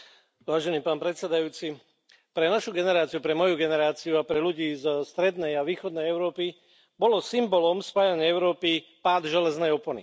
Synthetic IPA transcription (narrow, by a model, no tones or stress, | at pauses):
ʋaːʒɛniːpaːnpɾɛt̪sɛd̪ajuːt͡si | pɾɛnaʃuɡɛnɛɾaːt͡siupɾɛmɔjuɡɛnɛɾaːt͡siuapɾɛluɟiːzst̪ɾɛd̪nɛjaʋiːxɔd̪nɛjɛʊɾɔːpi | bɔlɔsimbɔlɔmspaːjaɲɪɛɛʊɾɔːpipaːd̪ʒɛlɛznɛjɔpɔnḭ